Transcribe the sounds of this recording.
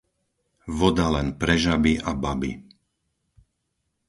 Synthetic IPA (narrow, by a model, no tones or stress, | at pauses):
ʋɔd̪alɛnpɾɛʒabiʔababḭ